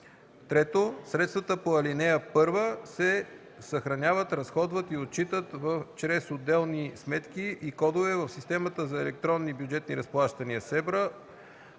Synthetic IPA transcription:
t̪ɾɛt̪osɾɛt̪st̪vət̪əpoɐlinɛjəpɤɾvəsɛ | sɐxɾɐnʲavət̪ɾɐsxɔd̪vət̪iot̪̚t͡ʃit̪ət̪vəft͡ʃɾɛsod̪ɛlˠnismɛt̪k̟iʔikɔd̪ovɛvəfsist̪ɛmət̪əzɐɛlɛk̚t̪ɾɔnːibjʊd͡ʒɛt̪niɾɐsplˠaʃt̪ɐniəsɛbɾə

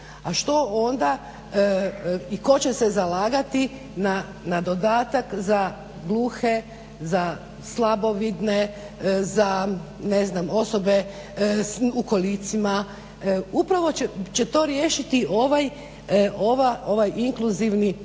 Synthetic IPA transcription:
aʃt̪o̞ond̪a | iko̞t͡ɕesezalaːɡat̪i | na | nad̪o̞d̪aːt̪akza | ɡlˠuxe̞ | za | slˠabo̞ʋid̪ne | za | neznamo̞sobe̞ | ukolit̪sima | upɾaʋo̞t͡ɕe̞t̪o̞ːɾjeːʃit̪iʔo̞ʋaj | oʋaʔo̞ʋajʔiŋkluziʋni

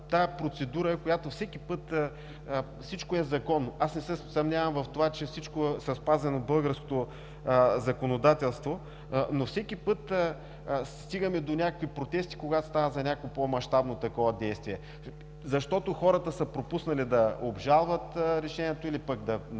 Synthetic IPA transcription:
t̪aɛpɾot̪sɛd̪uɾəɛkojat̪ofsɛkipɤt̪ | fsit͡ʃkoɛzɐkɔnːoʔasnɛsɛsɐmnʲavɐmvɐft̪ovat͡ʃɛfsit͡ʃkosɐspazɛnobɤlˠɡəɾsko̥t̪o | zɐkonod̪at̪ɛlˠst̪vo | nofsɛkipɤt̪ː | sst̪iɡɐmɛd̪onʲakəkvipɾot̪ɛst̪i̥koɡat̪ost̪avəzɐnʲakopomɐʃt̪abnot̪ɐkɔvɐd̪ɛjst̪viɛ | zɐʃt̪ɔt̪oxɔɾət̪əsɐpɾopusnɐlid̪ɐobʒalˠvət̪ɾɛʃɛnʲiɛt̪oilipəkd̪ɐ

